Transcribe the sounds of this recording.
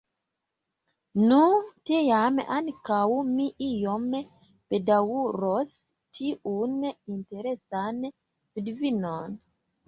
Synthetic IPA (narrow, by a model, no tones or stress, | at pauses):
nutejamankawmiʔijom | pedawuɾos | tʰiʔuninte̞ɾesan | vidvinon